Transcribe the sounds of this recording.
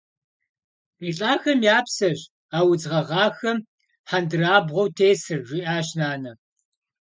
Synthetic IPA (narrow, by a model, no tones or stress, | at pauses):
iːɬʼaːxɐmjaːpsɐɕ | aːwʊd͡zʁɐʁɑːxɐm | ħandɨraːbʁʷowtʰeːsɨrʒiːʔaːɕnaːnɐ